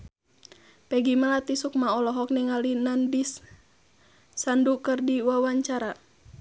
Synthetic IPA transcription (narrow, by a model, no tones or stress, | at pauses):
pɛɡimalat̪isuk̚maɔlɔɦɔk̚niŋalinanbis | andukərdiwawaɲt͡ʃaɾa